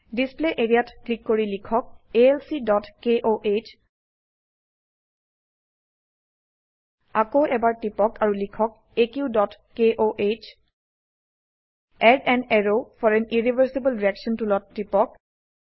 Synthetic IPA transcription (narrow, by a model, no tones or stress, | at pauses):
displeʔeɹiatklikːoɹilikʰɔk̚eɛlsidɔtkeʔoʔe | akoʔɛbaɹtipɔkaɹulikʰɔk̚ | ekjudɔt | keʔoʔet͡ʃ | ɛdɛ̃nɛɹofʰɔɹɛniɹibʱəɹsebəlɹiɛksɔntulɔtːipɔk̚